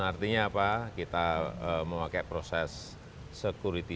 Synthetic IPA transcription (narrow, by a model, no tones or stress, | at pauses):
art̪iɲaːpakit̪aəmowakɛpɾosɛsː | əkuɾit̪i